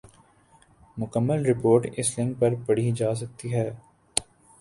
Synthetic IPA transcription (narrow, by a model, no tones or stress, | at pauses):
mʊkəmːəlɾɪpoːɾʈɪslɪ̃ŋɡ̚pɐɾpɐɽ̤id͡ʒaːs̬ɐk̚t̪iɦɛː